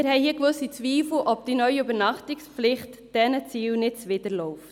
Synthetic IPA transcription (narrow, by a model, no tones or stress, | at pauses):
ɪɾhɛɪhiːəkvɵsit͡sʋiːfl̩ʔɔbd̥inœʏɥiybəɾnɑχtɪkspflɪχtd̥ɛnət͡siːlnɪtt͡sʋɪdəɾlɔʊft